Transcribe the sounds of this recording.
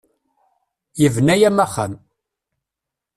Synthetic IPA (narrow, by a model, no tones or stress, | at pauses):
jəvnæjæmæχːə̰m